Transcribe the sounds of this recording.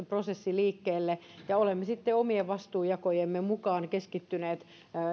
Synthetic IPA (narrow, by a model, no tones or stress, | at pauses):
eprosesːiliːkːeːlːejɑolemːesit̪ːeomieʋʋɑst̪uːjɑkojemːemukɑːnkeskit̪ːyneːt̪